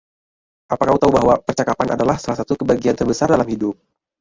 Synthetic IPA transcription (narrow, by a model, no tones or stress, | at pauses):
ʔapakaut̪aubaɦwapərt͡ʃakapana̰dalahsalahsat̪ukəbaɡiant̪ərbəsardalamhidʊp̚